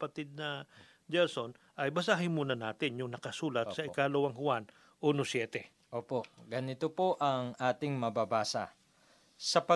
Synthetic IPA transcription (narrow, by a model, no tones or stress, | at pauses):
pɐt̪ɪd̪̚nɐ | d͡ʒɛlsonʔɐjbɐsaːɦɪnmuːnɐnaːt̪ɪnjʊŋnɐkɐsuːlɐt̪sɐʔɪkaːlowɐŋhʊan | ʔuːnosjɛːt̪ɛ | ʔoːpo̞ɡɐnɪt̪opoʔɐŋʔaːt̪ɪŋmɐbabaːsɐ̰ | sɐpɐ